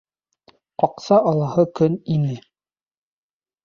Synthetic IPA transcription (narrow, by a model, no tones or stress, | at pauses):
qɒqsɑʔɑlˠɑhɤkɵninɘ